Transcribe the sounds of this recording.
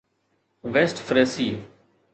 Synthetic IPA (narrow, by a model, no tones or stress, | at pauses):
ʋeːsʈfɾeːsiː